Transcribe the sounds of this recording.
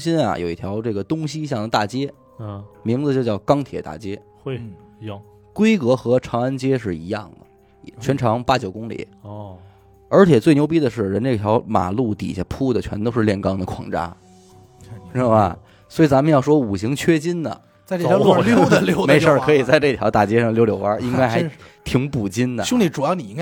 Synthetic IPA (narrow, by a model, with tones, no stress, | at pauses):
ɕi˥na̰˩jo̰˨˩ʊi˥˩t̪ʰjɑ˧˥ʊʈ͡ʂɤ˥˩ɡə˩t̪ʊ˥ŋɕi˥ɕjɑ˥˩ŋd̪ə˩t̪a˥˩t͡ɕjɛ˥ | mi˧˥ŋd͡zɨ˧t͡ɕjo˥˧ʊt͡ɕjɑ˥˩ʊkɑ˥ŋt̪ʰjɛ˨˩t̪a̰˥˩t͡ɕjɛ˥˩ | kwe˥ɪkɤ˧˥xɤ˧˥ʈ͡ʂʰɑ˧˥ŋə˥nt͡ɕjɛ˥ʂɻ̩˥˩i˧˥jɑ˥˩ŋd̪ə̰˩˨˩ | t͡ɕʰɥɛ˧˥nʈ͡ʂʰɑ˧˥ŋpa˥t͡ɕjo˨˩ʊkʊ˥ŋlḭ˨˩˦ | ə˞˧˥t͡ɕʰɛ˨˩t͡swe˥˩ɪnjo˧˥ʊp̬i˥d̪ə˨ʂɻ̩˥˩ɻə˧˥nʈ͡ʂe˥˩t̪ʰjɑ˧˥ʊma̰˨˩lu˥˩t̪ḭ˨˩ɕjɛ˧˥pʰu˥˩d̪ə˩t͡ɕʰɥɛ˧˥nt̪o˥ʊʂɻ̩˥˧ljɛ˥˩nkɑ˥ŋd̪ə˨kʰwɑ̰˧˩ŋʈ͡ʂa̰˥ | ʂ̩˥˧a˧˩ | swɔ˧˥i˨˩t͡sa˧˥mə˧jɑ˥˩ʊʂwɔ˥u˨˩ɕi˧˥ŋt͡ɕʰɥɛ˥t͡ɕi˥nd̪ə̰˨˩ | t͡sa˥˧ʈ͡ʂʰljo˥ə˧lʊme˧˥ɪə˞˥˩kʰɤ˧˥i˨˩t͡sa˥˧ɪʈ͡ʂɤ˥˩t̪ʰjɑ˧˥ʊt̪a˨˩t͡ɕjɛ˥ʂɑ˥˩ŋljo˥ljo˧˥ʊɐ˥i˥ŋka˥ɪxa˧˥ | t̪ʰi˧˥ŋpu˨˩t͡ɕi˥nd̪ə˨ɕʊ˥ŋni˨˧˩ʈ͡ʂu˨˩ɑ˥˩ni˨˩i˥ŋ˥